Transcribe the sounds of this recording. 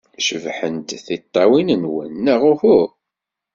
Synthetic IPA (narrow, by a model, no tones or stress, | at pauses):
ʃəvħənt̪θit̪ˤːɑwinənwə̰nːəʁʊfʊ